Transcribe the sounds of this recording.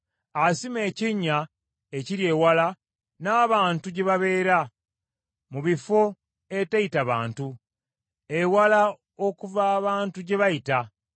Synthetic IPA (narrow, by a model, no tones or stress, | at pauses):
asime̞ːciɲːa | eciɾje̞ːwala | naːβaːntuɟe̞βaβe̞ːɾa | muβifo̞ | etejitaβa̰ːntu | ewala | okuvaːβaːntuɟe̞βajita